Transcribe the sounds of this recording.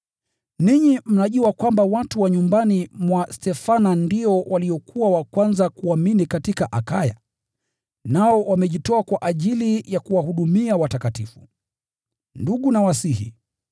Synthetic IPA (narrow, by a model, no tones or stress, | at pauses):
niɲim̩naʄuakwambawatuwaɲumbanimwastɛfanandiɔwʔaliɔkuawakwanzakuaminikatikaʔakaja̰ | naɔwamɛʄitɔakwaʔaʄilijakuwahuɗumiawatakatifṵ | nduɠunawasihḭ